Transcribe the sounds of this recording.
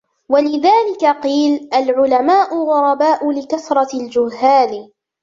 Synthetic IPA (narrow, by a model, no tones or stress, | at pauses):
walɪðaːlɪkaqiːlʔalʕʊlamaːʔʊɣʊɾˤɑbaːʔʊlɪkaθɾˤɑld͡ʒʊhhːaːn